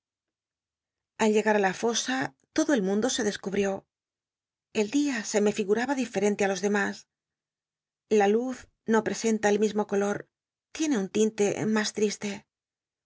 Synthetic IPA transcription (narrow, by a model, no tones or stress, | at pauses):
alʎe̞ɣaɾalafo̞sat̪o̞ðo̞e̞lmũnd̪o̞se̞ðe̞skuβɾjo̞ | e̞ld̪iase̞me̞fiɣuɾaβaðife̞ɾe̞nt̪ealo̞zðe̞mas | laluθ | no̞pɾe̞se̞nt̪aelmizmo̞ko̞lo̞ɾ | t̪je̞ne̞unt̪int̪e̞mast̪ɾist̪e̞